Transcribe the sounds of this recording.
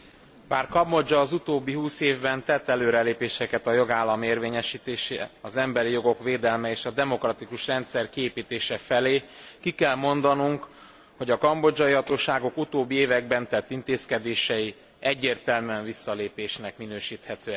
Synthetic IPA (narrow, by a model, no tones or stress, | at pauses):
baːrkɒbo̞d͡ʒɒːzut̪oːbːiɦuːseːvbɛnt̪ɛt̪ːɛløːɾɛleːpeːʃɛkɛt̪ɒjo̞ɡaːlːɒmeːrveːɲɛʃiːt̪eːʃḛːɒzɛmbɛɾijo̞ɡo̞kʋeːd̪ɛlmɛeːʃɒd̪ɛmo̞krɒt̪ikuʃrɛnt̪sɛrkieːpiːt̪eːʃɛfɛleːkikɛlmo̞nd̪ɒnuŋk | ho̞ɟɒkɒmbo̞d͡ʒɒjiɦɒt̪oːʃaːɡo̞kut̪oːbːieːvɛɡ̚bɛnt̪ɛt̪ːint̪eːskɛd̪eːʃɛji | ɛɟːeːrt̪ɛlmyɛɱvisːɒleːpeːʃnɛkminøːʃiːt̪hɛt̪øːɛ